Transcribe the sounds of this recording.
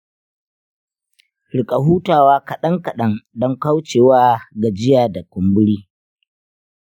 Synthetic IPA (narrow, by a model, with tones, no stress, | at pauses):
ɽɪ˨kʼa˨ɦuː˦taː˨waː˦kɐ˨ɗɐ˦ŋkɐ˨ɗɐ˦ŋdɔ˦ŋka˦wt͡ʃeː˨waː˦ɡa˨d͡ʒɪ˦jaː˨da˨kʷʊ˨mbʊ˦ɽiː˦